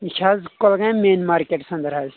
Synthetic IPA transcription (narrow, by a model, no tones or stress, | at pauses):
ʃʰazkolɡãmeːnmaːɾkeʈsɐ̃nd̪əɾɦɐz